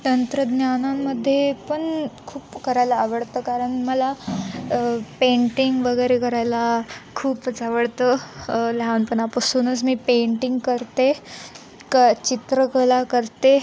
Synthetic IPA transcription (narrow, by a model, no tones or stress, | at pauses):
t̪ənt̪ɾəd̪njanamːəd̪ʱːjepəɳkʰuːpkəɾajlaːʋəɽt̪əkaɾəɳməla | peɳʈiŋɡʋəɡəjɾekəɾajlakʰuːpət͡saʋəɽt̪əlaʋnpənapəsunət͡smiːpeɳʈiŋɡkəɾt̪e | kət͡ɕit̪ɾəkəlakəɾt̪e